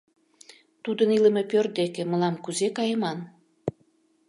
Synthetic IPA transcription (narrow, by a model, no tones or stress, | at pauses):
t̪ud̪əniləmepørd̪ekĕmə̆lɑmkuzekɑjə̆mɑn